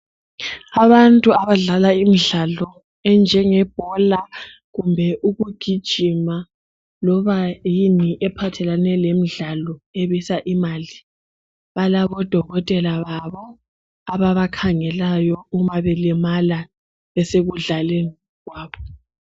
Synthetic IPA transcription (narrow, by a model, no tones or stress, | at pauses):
aβantʼuaβaɮalaimiɮalɔ | ɛnd͡ʒʱɛŋɛb̥ʱɔla | ɣumbʱɛʔuɣuɡ̥ʱid̥ʒ̥ʱima | lɔβajiniʔɛpʰatʰɛlanɛlemiɮalɔeβisaʔimaːli | βalaβɔd̥ʱɔɣɔtʼɛlaβaβɔ | aβaβakʰaŋɛlajɔumaβɛlɛmala | βɛseɣuɮale | ɣwaːβɔ